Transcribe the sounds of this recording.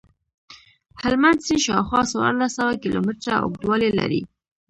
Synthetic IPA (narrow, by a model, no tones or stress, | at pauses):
halmand̪sinʃɑwxwɑsawa̰ɾlasawakilomɪʈɾao̰k̚d̪wɑlela̰ɾḭ